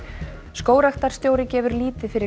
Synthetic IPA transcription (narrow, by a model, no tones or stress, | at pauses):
skoːwɾaxt̪aɾ̥st̪joːwɾɪcɛːvʏɾliːt̪ɪfɪɾɪ